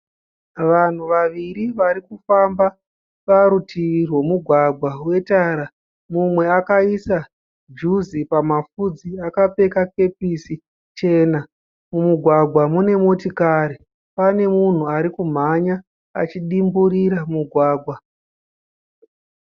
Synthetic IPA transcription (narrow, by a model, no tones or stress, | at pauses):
ʋan̤uʋaʋiɾiʋaɾikufamba | paɾutʰiʋirwe̞muɡʱwaɡʱwawe̞taːɾa | mumwe̞akaisa | d͡ʒuzipamafud͡ziakape̞kak̚e̞pisi | t͡ʃe̞ːna | mumuɡʱwaɡʱwamune̞motikaːɾi | pane̞mun̤uaɾikum̤aɲa | a̰t͡ʃiɗimbuɾiɾamuɡʱwaːɡʱwa